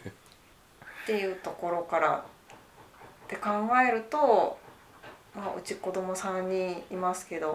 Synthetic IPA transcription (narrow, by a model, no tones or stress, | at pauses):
t̪e̞jɯ̟ːt̪o̞ko̞ɾo̞kaɾa̰ | t̪e̞kãŋɡae̞ɾɯ̟t̪o̞ | maʔɯ̟̰t͡ɕiko̞d̪o̞mo̞sãɲːiːmasɨ̥ke̞d̪o̞